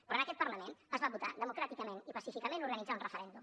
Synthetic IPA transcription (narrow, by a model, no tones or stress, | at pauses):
b̪uɾanəkɛt̪pəɾrləmẽnəzβaβut̪a̰ðəmukɾat̪ikəmẽnipəsifikəmẽnuɾɣənid͡zaunrəfəɾɛnd̪um